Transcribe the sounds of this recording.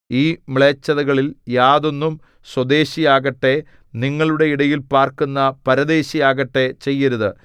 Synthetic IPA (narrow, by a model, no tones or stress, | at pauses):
iːmiɭeːt͡ɕːɐðɐɣɐɭiljaːðo̞nːum | swɐd̪e̞ːɕijaːɣɐʈːe̞ | niŋːɐɭuɽe̞iɽɐjilpaːrkunːɐpɐɾɐd̪e̞ːɕijaːɣɐʈːe̞t͡ɕe̞jːɐɾuðɨ